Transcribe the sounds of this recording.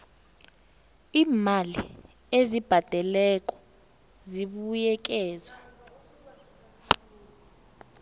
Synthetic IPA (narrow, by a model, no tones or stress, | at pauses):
iːmalḭ | ezib̥ʱad̥ʱɛlɛk̬ʼɔ̥ | ziɓujɛk̬ɛːzwa